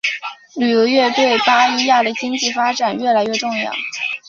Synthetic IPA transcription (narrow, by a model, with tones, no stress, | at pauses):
ly˨˩jɔ˧˥ɥɛ˥˧t̪we˥˩ɪpa˥i˥ja˥˩d̪ə˩t͡ɕi˥ŋt͡ɕi˥˩fa˥ʈ͡ʂa˨˩nɥɛ˥˩la˧˥ɪɥɛ˥˧ʈ͡ʂʊ˥˧ŋjɑ̰˥˩ʊ